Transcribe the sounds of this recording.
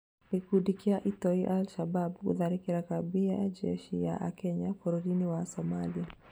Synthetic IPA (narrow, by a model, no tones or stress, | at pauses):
hiɡudikiaʔitɔiʔalʃababkṵðaɾikiɾakabiajad͡ʒɛ̰ʃija̰ʔkɛɲakɔɾuɾiniwasɔmalia